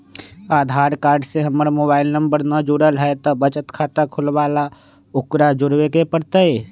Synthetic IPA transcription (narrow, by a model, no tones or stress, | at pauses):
aːd̪ʱaːɾkaːɾɖseɦəməɾmobaːɪlnəmbəɾnəd͡ʒuɽəlɦɛt̪ɔbət͡ʃət̪kʰaːt̪əkʰʊlʋala | ʊkɾad͡ʒʊɾwekepəɽt̪əj